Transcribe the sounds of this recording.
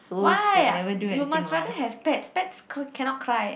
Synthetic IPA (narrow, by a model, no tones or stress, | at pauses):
suwajnɛvədujumastɹadəɦɛvpɛtspɛtskkʰɛ̃nɔt̚kʰɹaj